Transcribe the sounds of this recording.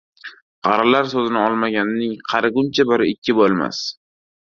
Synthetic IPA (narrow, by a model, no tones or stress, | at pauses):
qɑɾalaɾsozɪnɪɒlˠmaɡʲanɪnɪŋqʰɑɾɪɡʊmt͡ʃʰabɪɾɪɪkʲːɪbolˠma̰s